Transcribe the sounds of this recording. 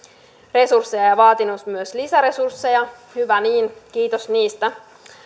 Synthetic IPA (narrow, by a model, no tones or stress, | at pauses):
re̞sursːejɑjɑʋɑːt̪inusmyøslisæɾe̞sursːejɑ | hyʋæniːnk̟iːt̪osniːst̪æ